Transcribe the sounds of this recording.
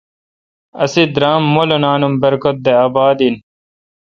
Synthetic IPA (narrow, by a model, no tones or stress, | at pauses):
ɐ̰sid̪ɾaːmːolonaːnumbɐɾkot̪̚d̪eɐbaːd̪in